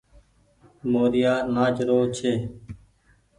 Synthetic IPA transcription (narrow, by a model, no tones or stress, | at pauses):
moːɾɪjaːnaːd͡ʒɾoːt͡ʃʰeː